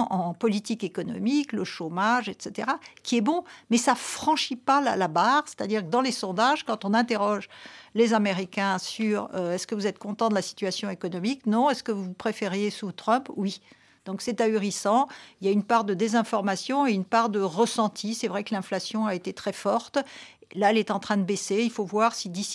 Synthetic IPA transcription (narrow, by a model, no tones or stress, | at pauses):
ʔɑ̃pɔlit̪ikekɔnɔ̰mikləʃomaʒɛt̪set̪eʁakʲiɛbɔ̃mɛsafχɑ̃ʃipala̰labaːʁse̥t̪ad̪iʁkəd̪ɑ̃lesɔ̃d̪aʒkɑ̃t̪ɔ̃nɛ̃t̪eʁɔʒlezameʁikʲɛ̃syʁøɛskəvuzɛt̪kɔ̃t̪ɑ̃d̪əlasi̥t̪ɥasjɔ̃ekɔnɔmiknɔ̃ɛskəvupχefeʁjesut̪χœ̃pwi | d̪̥ɔ̃ksɛt̪ayʁisɑ̃iljaynpaʁd̪əd̪ezɛ̃fɔʁmasjɔ̃eynpaʁd̪əʁəsɑ̃t̪ʰisɛvʁɛkəlɛ̃flasjɔ̃aet̪et̪χɛfɔʁt̪ | laɛlɛt̪ɑ̃t̪χɛ̃d̪əbeseilfovwaʁsid̪is